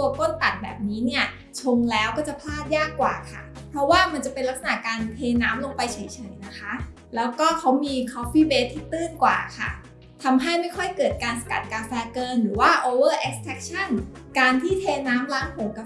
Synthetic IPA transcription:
t̪u˧ɐko˥˩nt̪a˨˩t̪̚bɛ̰ː˨˩p̚niː˦˥ni˥˩ɐ | t͡ɕʰo˧ŋlɛː˦˥wkɔː˥˩t͡ɕa˨˩pʰlaː˥˩t̪̚jaː˥˩kːwaː˨˩kʰa̰˥˩ | pʰɾɔ˦˥waː˥˩ma˧nt͡ɕa˨˩pe˧nla˦˥k̚sa˧na̰˨˩kaː˧nt̪ʰeː˧naː˦˥mlo˧ŋpa˧jt͡ɕʰa˨˩˦jt͡ɕʰɤ˨˩˦jna˦˥kʰa˦˥ʔ | lɛː˦˥wkɔː˥˩kʰa˦˥wmiː˧kʰɔ˦˥fiː˥˩beː˦˥t̪ʰːiː˥˩t̪ɯː˥˩nkwa̰ː˨˩kʰa̰˥˩ | t̪ʰa˧mɦa˥˩jma˥˩jkʰɔ˥˩jkɤː˨˩t̪̚kaː˧nsa˧ka˨˩t̪̚kaː˧nfɛː˧kɤː˧nɾɯː˩˦waː˥˩ʔoː˧wɤː˥˩ʔe˦˥k̚st̪ʰɛ˦˥k̚t͡ɕʰa˥˩n | kaː˧nt̪ʰiː˥˩t̪ʰeː˧naː˦˥mla˦˥ŋpʰo˩˦ŋka˧

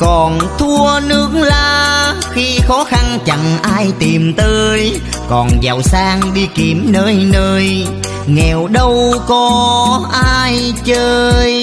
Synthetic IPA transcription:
kɔ˨˩nt̪ʰu˧ənɨ˨˦˥əklaː˨˩xi˧xɔ˨˦xa˧nt͡ɕa˨ŋʔaː˧jt̪i˨˩mt̪əː˧˦j | kɔ˨˩nza̰˨˩wsaː˧ŋɗi˧ki˨˦əmnəː˧jnəː˧j | ŋɛ˨˩wɗə˧wkɔ˨˦ʔaː˧jt͡ɕəː˧j

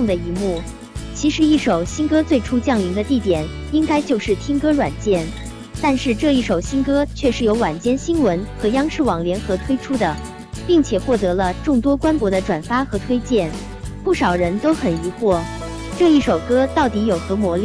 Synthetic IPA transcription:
ŋd̪ə˩i˧˥mu˥˩ | t͡ɕʰi˧˥ʂɻ̩˧˥i˥˩ʂo˨˩ʊɕi˥nkɤ˥t͡swe˥˩ɪʈ͡ʂʰu˥t͡ɕjɑ˥˩ŋli˧˥ŋd̪ə˧t̪i˥˩t̪jɛ˨˩˦n | i˥ŋka˥ɪt͡ɕjo˥˧ʊʂɻ̩˥˩t̪ʰjɛ˥ŋkɤ˥ɻwa˨˩nt͡ɕjɛ˥˩n | t̪a˥˧nʂɻ̩˥˧ʈ͡ʂɤ˥˧i˥˩ʂo˨˩ʊɕi˥nkɤ˥t͡ɕʰɥɛ˥˧ʂɻ̩˥˩jo˧˥ʊwa˨˩nt͡ɕjɛ˥˩nɕi˥nwə˧˥nxɤ˧˥jɑ˥ŋʂɻ̩˥˩wɑ˨˩ŋljɛ˧˥nxɤ˧˥t̪ʰwe˥ɪʈ͡ʂʰu˥d̪ə˨ | pi˥˩ŋt͡ɕʰjɛ˨˩xwɔ˥˩t̪ɤ˧˥lə˧ʈ͡ʂʊ˥˩ŋt̪wɔ˥kwa˥npwɔ˧˥d̪ə˧ʈ͡ʂwa˨˩nfa˥xɤ˧˥t̪ʰwe˥ɪt͡ɕjɛ˥˩n | pu˥˩ʂɑ˨˩ʊɻə˧˥nt̪o˥ʊxə˨˩ni˧˥xwɔ˥˩ | ʈ͡ʂɤ˥˧i˥˩ʂo˨˩ʊkɤ˥t̪ɑ˥˩ʊt̪i˧˥jo˨˩ʊxɤ˧˥mwɔ˧˥l

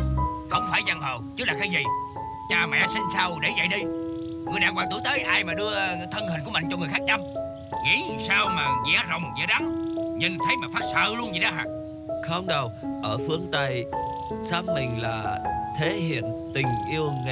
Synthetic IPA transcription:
hə˧˩wŋ͡mfaː˧˩jza˧˩ŋɦəː˨˩wt͡ɕɨ˦˥laː˨˩kaː˨˦jzi˨˩ | t͡ɕaː˧mɛ̰˧˥si˧n̟saː˧wɗe˧˩zə̰˧˨jɗi˧ | ŋɨ˨˩əjɗaː˧˨ŋkwaː˨˩t̪u˧˩˦jt̪əː˨˦jʔaː˧jmaː˨˩ɗɨ˧ət̪ʰə˧nhi˨˩ŋu˧˩mï˧˨ŋ̟t͡ɕɔ˧ŋɨ˨˩əjxaː˦˥k̚t͡ɕa˧m | ŋḭ˧˥˨saː˧wmaː˨˩ŋɛ̰˧˩˦zə̰˧˨wŋ͡mzɛ̰˧˦ɗa˨˦ŋɲi˨˩nt̪ʰə˨˦jmaː˨˩faː˦˥t̚sə̰ː˧˨lu˧ənzi˨˩ɗɔ˨˦ɦa̰ː˧˨ | xə˧wŋ͡mɗə˨˩w | ʔəː˧˩fɨ˨˦əŋt̪ə˧j | saː˨˦˥mːï˨˩ŋ̟la̰ː˨˩t̪ʰe˨˦ɦḭ˧˨ənt̪ï˨˩ŋ̟ʔi˧əwŋe˧˨

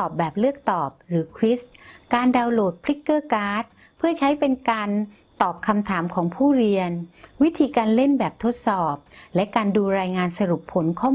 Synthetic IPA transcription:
ɔː˨˩p̚bɛː˨˩p̚lɯ˥˩ək̚t̪ɔː˨˩p̚ɾɯː˩˦kʰwi˦˥skaː˧ndaː˧wloː˨˩t̪̚pʰli˦˥kːɤː˥˩kaː˦˥t̪̚ | pʰɯ˥˩t͡ɕʰa˦˥jpe˧nkaː˧n | t̪ɔː˨˩p̚kʰa˧mt̪ʰaː˩˦mkʰɔː˩˦ŋpʰuː˥˩ɾi˧ənwi˦˥t̪ʰiː˧kaː˧nle˥˩nbɛː˨˩p̚t̪ʰo˦˥t̪̚sɔː˨˩p̚lɛ˦˥kaː˧nduː˧ɾaː˧jŋaː˧nsa˧ɾu˨˩pʰːo˩˦nkʰɔ˥˩

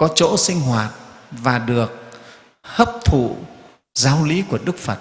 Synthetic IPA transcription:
kɔ˨˦t͡ɕo̰˧˥sï˧ŋ̟ɦwaː˨˩t̚vaː˨˩ɗɨ˨˩ək̚ | həː˦˥p̚t̪ʰṵ˧˨ | zaː˨˦wli˨˦ku˧˩əɗɨ˦˥k̚fə˨˩t̚

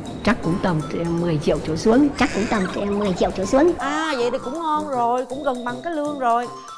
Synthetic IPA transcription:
t͡ɕa˦˥kkʊ̰˧˥ŋ͡mt̪ə˨˩ŋ͡mmɨ˨˩əjt͡ɕḭ˧˨ə˨wt͡ɕo̰˧˩su˨˦əŋt͡ɕa˦˥kːkʊ̰˧˥ŋ͡mt̪ə˨˩ŋ͡mmɨ˨˩əjt͡ɕḭ˧˨əwt͡ɕsu˨˦əŋʔaː˨˩və̰˧˨jt̪ʰi˨˩kʊ̰˧˥ŋ͡mŋɔ˧nzo˨˩jkʊ̰˧˥ŋ͡mɣə˨˩nɓa˨˩ŋkaː˨˦jlɨ˧əŋzo˨˩j

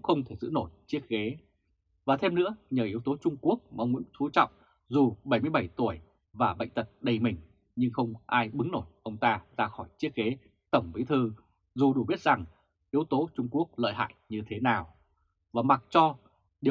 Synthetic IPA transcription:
ʊ̰˧˥ŋ͡mxə˧wŋ͡mt̪ʰe˧˩zɨ̰˧˥no˧˩jt͡ɕi˦˥ət̚ɣe˨˦ | vaː˨˩t̪ʰe˧mnɨ̰˧˥əɲəː˨˩ʔi˨˦əwt̪o˨˦t͡ɕʊ˧ŋ͡mku˦˥ək̚mː˨ə˧wŋ͡mmṵ˧˥t̪ʰu˨˦t͡ɕɔ̰˧˨wŋ͡m | zu˨˩ɓə˧˩jmɨ˧əjɓə˧˩jt̪u˧˩əj | vaː˨˩ɓə̰˧˨jŋ̟t̪ə˨˩t̚ɗə˧jmï˨˩ŋ̟ | ɲɨ˧ŋxə˧wŋ͡mʔaː˧jɓɨ˨˦ŋno˧˩jʔə˧wŋ͡mt̪aː˧zaː˧xɔ˧˩jt͡ɕi˦˥ət̚ɣe˨˦ | t̪ə˧˩wŋ͡mɓi˨˦t̪ʰɨ˧ | zu˨˩ɗu˧˩ɓi˦˥ət̚z̥a˨˩ŋ | ʔi˨˦əwt̪o˨˦t͡ɕʊ˧ŋ͡mku˦˥ək̚lə̰ː˧˨jha̰ː˧˨jɲɨ˧t̪ʰe˨˦naː˨˩w | vaː˨˩ma˨˩t̚t͡ɕɔ˧ | ɗi˨˩

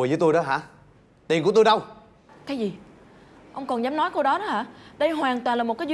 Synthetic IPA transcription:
əjzə˨˦jt̪jɗɔ˨˦ɦa̰ː˧˥ | t̪i˨˩nku˧˩t̪jɗə˧w | kaː˨˦jzi˨˩ | ʔə˧wŋ͡mkɔ˨˩nzaː˨˦mnɔ˨˦jko˧wɗɔ˨˦ɗɔ˨˦haː˧˥˦ɗə˧jɦwaː˨˩nt̪wa˨˩nlaː˨˩mo˨˩t̚kaː˨˦zw

